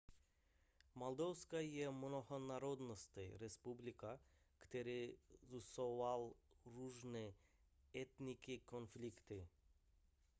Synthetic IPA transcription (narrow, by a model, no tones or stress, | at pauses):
mald̪ɔwskajɛmnɔhɔnaɾɔd̪nɔst̪ɛjɾɛspublika | kt̪ɛɾizusɔʋalɾuːʒnɛ | ɛt̪nikikɔnflikt̪i